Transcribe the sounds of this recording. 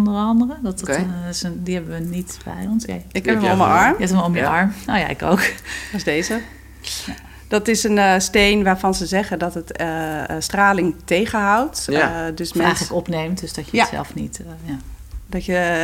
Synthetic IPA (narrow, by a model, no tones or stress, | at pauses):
ndərɑndərədɔtsdihɛbəʋənitbɛ̰jɔnsɪkɛpomjə̰ʔɑɹmɛtəmɔmjəʔɑɹmoːja̰ɪ̰ko̰wkʋɔsdeːzə | d̥ɔtɪsənsteːnʋaːfɔnzəzɛɣədɔtət | straːlɪŋtejɣəɦawtdøsmɛɛjxələkɔpnejmtdøsd̥ɔtjəsɛ̰lˠfnḭtja | dɔtjə